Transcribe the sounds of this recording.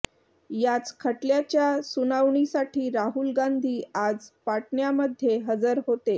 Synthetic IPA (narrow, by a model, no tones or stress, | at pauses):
jat͡skʰəʈljat͡ɕjasunaʋɳisaʈʰiːɾaɦulɡand̪ʱiːad͡zpaʈɳjaməd̪ʱjeɦəd͡zəɾɦot̪e